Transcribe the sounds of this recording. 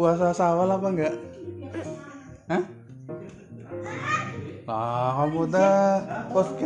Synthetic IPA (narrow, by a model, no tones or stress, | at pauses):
uas̬asawalapaŋɡaʔ | əh | lakamudapɔsk